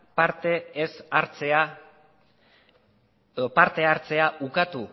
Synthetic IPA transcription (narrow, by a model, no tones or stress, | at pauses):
paɾt̪eːsaɾt͡sea | opaɾt̪e̞aɾt͡se̞aʔukat̪u